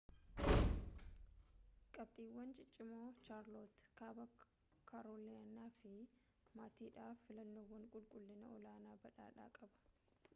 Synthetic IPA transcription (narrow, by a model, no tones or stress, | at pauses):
kʼɐb̚t̪ʼiːwːɐnt͡ʃʼɪt͡ʃʼːɪmoːt͡ʃaːɾloːt̪kaːbɐ | kʰaɾoːleɐnːaːfɪ | maːt̪iːᶑaːfːɪlɐnːowːɐŋkʼʊlkʼʊlːɪnɐɔlaːnaːbɐᶑa̰ːᶑa̰ːkʼɐbɐ̥